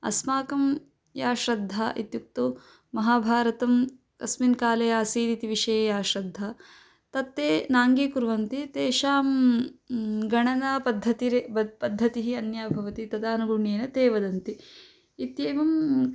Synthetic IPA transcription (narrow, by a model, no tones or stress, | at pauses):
ɐ̰smaːkɐm | jaːʃɾɐd̪ʱːaʔit̪juk̚t̪o | mɐɦaːbʱaːɾɐt̪ɐm | ɐ̰sminkaːlɐjaːsiːd̪it̪iʋiʂɐjejaːʃɾɐd̪ʱːa | t̪ɐt̪ːeːnaːŋɡiːkuɾʋɐnt̪it̪eːʃaːm | ɡɐɳɐnaːpɐd̪ʱːɐt̪iɾebpɐd̪ʱːɐt̪iɦiɐnjaːbʱɐʋɐt̪it̪ɐd̪aːnuɡuɳeːnɐt̪eːʋɐd̪ɐnt̪iː | t̪jeːʋɐm